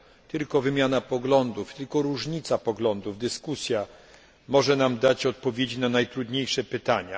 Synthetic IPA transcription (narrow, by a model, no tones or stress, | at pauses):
t̪ɘlkɔvɘmʲjanapɔɡlɔnd̪uft̪ɘlkɔɾuʐɲit̪sapɔɡlɔnd̪uvd̪ɘskusʲja | mɔʐɛnamd̪at͡ɕɔt̪̚pɔvʲjed͡ʑinanajt̪ɾud̪ɲejʂɛpɘt̪aɲa